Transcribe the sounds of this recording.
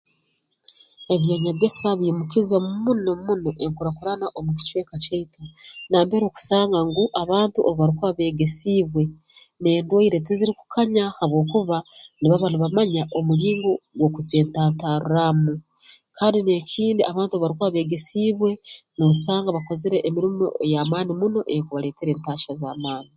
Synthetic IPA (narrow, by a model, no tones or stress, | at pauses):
e̞βjaːɲaɡesaβiːmukizamumunomunoʔeŋkuɾakuɾanaʔomuci̥t͡ʃwe̞ːkaceitonaːmbeɾo̞ːku̥saːŋɡaŋɡuʔaβaːntuʔoβoβaɾikuaβe̞ːɡesiːβwe̞ | ne̞ːndwoiɾe̞teziɾiku̥kʰaɲahaβwo̞ːkuβaniβaβanuβamaɲaʔomuɾiːŋɡoɡwokuzeːntaːntaɾṵɾamu | kʰaːndine̞cʰiːndiʔaβaːntuoββaɾikuβaβe̞ːɡesiːβwe̞nosaːŋɡaβakoziɾeʔːmiɾimo̰ejamaːnimuno̞ʔekuβale̞ːteɾeːntaːʃazaːmaːni